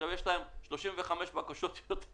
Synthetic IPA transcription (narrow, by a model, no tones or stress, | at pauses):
avjeʃlaemʃloʃimveχameʃbakaʃot̪jot̪